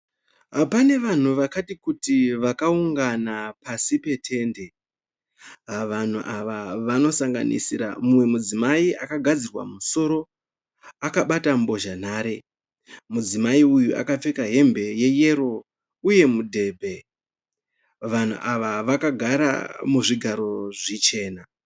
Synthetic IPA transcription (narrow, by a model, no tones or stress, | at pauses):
pane̞ʋan̤uʋakatikutiʋakauŋɡanapasipe̞tʰe̞ːnde̞ | ʋan̤uʔaʋaʋano̞saŋɡa̰nḭsiɾa̰mumwe̞mud͡zimaiʔakaɡʱad͡zirwa̰muso̞ɾo̞ | akaɓatambo̞ʒan̤aːɾe̞ | mud͡zimaiujuʔa̰kap͡fe̞kaɦe̞mbe̞je̞je̞ɾo̞ | uje̞mudʱe̞ːbʱe̞ | ʋan̤ṵʔaʋaʋakaɡʱaɾa̰muʐiɡʱaɾo̞ʐit͡ʃe̞ːna